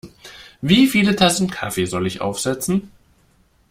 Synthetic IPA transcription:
viːfiːlətʰasn̩kʰa̰feːzɔlɪçʔa̰ʊfz̥ɛt͡sn̩

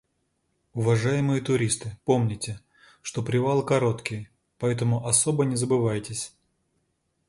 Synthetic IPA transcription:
ʊvɐʐajɪmɨjət̪ʊɾʲist̪ɨpo̞mnʲɪtʲɪ | ʂt̪o̞pɾʲɪvalˠkɐɾo̞t̪kʲɪj | pɐɛt̪əmʊʔɐsobənʲɪzəbɨvajtʲɪsʲ

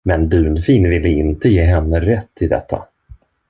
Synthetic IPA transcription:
mɛnd̪ʉ̟ːnfiːnvɪlːəɪnt̪əjeːɦɛnːəɾɛt̪ʰːɪld̪ɛ̰t̪ʰːa̰

